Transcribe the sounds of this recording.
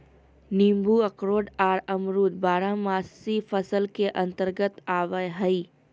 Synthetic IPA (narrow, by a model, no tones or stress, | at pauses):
niːmbuɐkɾoːɖaːɾəmɾuːd̪̚baːɾamaːssifʰəsəlkeʔɐ̃nt̪əɾɡət̪aːʋəjɦɐiː